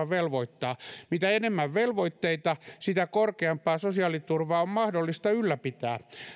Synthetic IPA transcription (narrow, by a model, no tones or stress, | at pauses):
ɑʋʋelʋoit̪ːɑːmit̪æenemːæʋʋelʋoit̪ːeit̪ɑsit̪ækorkeɑmpˑɑːsosiɑlit̪urʋɑːommɑhdolːist̪ɑylːæpit̪æː